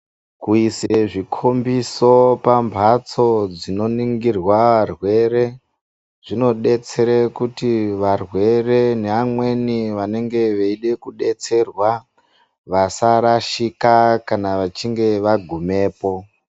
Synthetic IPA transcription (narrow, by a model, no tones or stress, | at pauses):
kuiseʐikʰombiso̞pambʱat͡so̞d͡zino̞niŋɡirwaʋarwe̞ɾe̞ | ʐ̥ino̞ɗe̞t͡se̞ɾekutiʋarwe̞re̞neamwe̞niʋane̞ŋɡe̞ʋeiɗe̞kuɗe̞t͡se̞rwa | ʋasaɾaʃikakanaʋat͡ʃiŋɡe̞ʋaɡʱume̞ːpo̞